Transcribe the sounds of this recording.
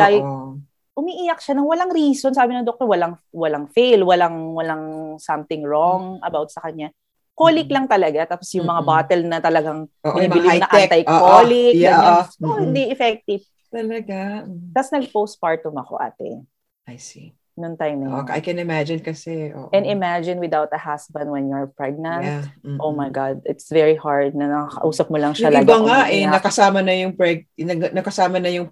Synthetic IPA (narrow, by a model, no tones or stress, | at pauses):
aj | ʔʊmiʔijɐk̚ʃanɐŋwɐlaŋɾiːsonsaːbɪnɐŋd̪ok̚t̪owɐlaŋwɐlaŋfejlwɐlaŋwɐlaŋsɐmt̪ɪŋɹɔŋʔɐbawt̪̚sɐkɐɲa | koːlɪklɐŋt̪ɐlɐɡat̪aːposjʊŋmɐŋabaːt̪ɛlnɐt̪ɐlɐɡaŋoʔɪimbɪlɪnɐʔant̪ajʔokolɪkjaaohɪnd̪iʔɛfɛk̚t̪ɪv̥ | t̪ɐlɐɡat̪ɐsnɐɡ̚pows̚paɹt̪ːʊmɐko̰ʔa̰ːt̪ɛ̰ | ʔajsi | nʊŋt̪ajmnɐjoʔa̰jkɛnɪmad͡ʒɪnkɐsɛʔo̰ːʔɛ̃nɪmad͡ʒɪnwɪd̪awt̪ɐhasbɐnd̪wɛnjʊɹpɹɛɡ̚nɐ̃nt̪ʔowmajɡɑd̪̚ɪt̪svɛɹihaɹd̪̚nɐnɐkɐkɐ̰ʔuːsɐp̚mʊlɐŋʃɐlɐbɐŋaʔɛnɐkɐsaːmɐnɐjʊŋpɹɛɡ̚nɐɡnɐkɐsaːmɐnɐjʊŋ